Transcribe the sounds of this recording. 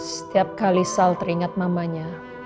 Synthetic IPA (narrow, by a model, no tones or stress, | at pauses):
sə̥t̪iap̚kalisalt̪əɾiŋat̪̚mamaɲa